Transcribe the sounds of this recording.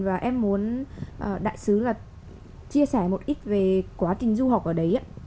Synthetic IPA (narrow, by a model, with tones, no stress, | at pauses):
vaː˨˩ʔɛ˧mːu˨˦ənʔəː˨˩ɗa̰ː˧˨jsɨ˨˦laː˨˩ | t͡ɕi˧əsɛː˧˩mo˨˩t̚ʔi˦˥t̚ve˨˩kwaː˨˦t͡ɕï˨˩ŋ̟zu˧ɦɔ˨˩k͡p̚ʔəː˧˩ɗə˨˦jʔaː˨˦